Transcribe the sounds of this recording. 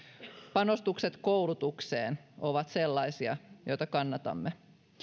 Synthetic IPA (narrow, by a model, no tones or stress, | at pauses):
pɑno̞st̪ukset̪kowlut̪ukseːno̞ʋɑt̪se̞lːɑisiɑjo̞jt̪ɑkɑnːɑt̪ɑ̰mːe